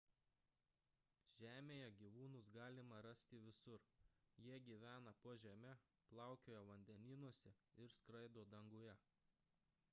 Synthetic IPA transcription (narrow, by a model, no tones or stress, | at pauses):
ʒ̥ʲæːmʲeːjɛɡʲiːʋuːnʊsɡɑːlʲɪmɐɾɐsʲt̪ʲɪʋʲɪsʊɾjiɛɡʲiːʋʲæːnɐpuɔʒʲɛmʲɛ | plˠɑˑʊkʲoːjɛʋɐnʲd̪ʲɛnʲɪːnuɔsʲɛɪɾskɾɐɪd̪oːd̪ɐŋɡʊjɛ